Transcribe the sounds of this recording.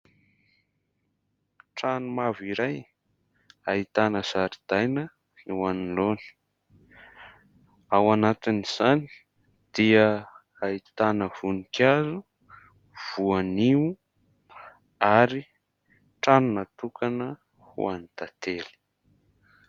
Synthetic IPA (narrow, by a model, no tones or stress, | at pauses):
ʈ͡ʂanumaviɾaj | ait̪anəz̥aɾid̪̥ajnə | iwaniloni̥ | awanat̪iniz̥ani̥ | d̪̥iə | ait̪anəv̥unikazu | v̥uaniu | aɾi | ʈ͡ʂanunat̪ukanə | hṵa̰nit̪at̪eli̥